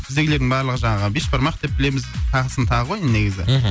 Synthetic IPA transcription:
t̪ʰɪzeɡɪled̪ɪŋbɑɾlˠəʁəʒɑɴɑʁəbeʃbɑɾmɑq̚d̪e̞p̚bɪle̞mɪzt̪ʰɑʁəsənt̪ʰɑʁəqʰo̞jənne̞ɡʲɪzɪ̰

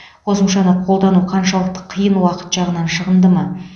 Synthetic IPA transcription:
qʰo̞səmʃɑnəqʰo̞lˠd̪ɑnuqʰɑnʃɑlˠəq̚t̪ə̥qʰːijənwɑqə̥t̪ʒɑʁənɑnʃəʁənd̪əmɑ

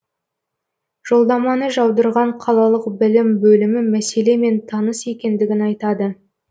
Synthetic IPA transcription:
ʒ̥o̞lˠd̪ɑmɑnəʒɑwd̪əɾʁɑɴqʰɑlˠɑlˠəqbɪlɪmbɵlɪmɪmæse̞le̞me̞nt̪ʰɑnəsje̞kʲe̞nd̪ɪɡʲɪnɑjt̪ɑd̪ə

